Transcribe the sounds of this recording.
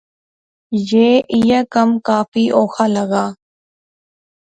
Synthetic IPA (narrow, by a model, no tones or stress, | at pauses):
jeːʔɪjakəmkaːpfiːʔoːxʰaːləɡaː